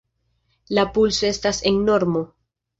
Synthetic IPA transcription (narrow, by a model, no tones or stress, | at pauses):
lapulso̞e̞staseŋno̞ɾmo̞